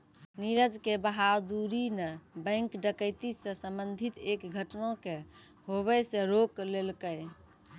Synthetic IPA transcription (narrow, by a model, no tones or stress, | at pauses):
niɾəd͡ʒkebəɦad̪uɾinebə̃ŋkɖəkəjt̪isə̃səmbənd̪ʱit̪ekɡʱəʈnõke | hoβɛsẽɾoklelkəj